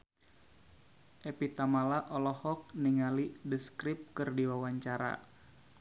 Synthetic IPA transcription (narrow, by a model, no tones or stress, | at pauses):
ʔepit̪amalaʔɔlɔhɔk̚niŋalidəskɾip̚kɨrdiwawaɲt͡ʃaɾa̰